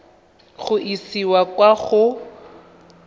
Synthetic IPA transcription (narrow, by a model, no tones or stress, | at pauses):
χʊʔisiwakwaχʊ